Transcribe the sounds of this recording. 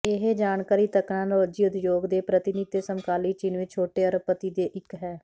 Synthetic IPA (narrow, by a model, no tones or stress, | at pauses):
eɦed͡ʒaːnkaːɾiːt̪əknãːnoːd͡ʒiːʊd̪joːɡd̪eːpɾət̪ɪnit̪eːsəmkaːliːt͡ʃɪnʋɪt͡ʃʰoːʈeːəɾpət̪iːd̪eːʔɪkɦɛː